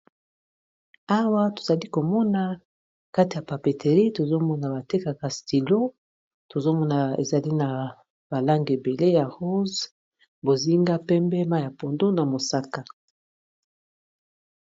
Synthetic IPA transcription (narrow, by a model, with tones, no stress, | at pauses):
a˦wa˦to̥˨za˨li˦ko˨mɔ˦na˨ | ka˦ti˨ja˨pa˨pe˨tʰe˨ʁi˦to˨zo˦mɔ˦na˨ba˨te˦ka˨ka˨sti˨lo˦ | to˨zo˦mɔ˦na˨ḛ˨za˨li˦na˨ | b̥a˨la˦ŋɡe˨be˨le˦ja˨ʁo˦z | bo˨zi˦ŋɡa˦pɛ˦mbɛ˦ma˦ja˨po˨ndo˦na˨mo˨sa˦ka˦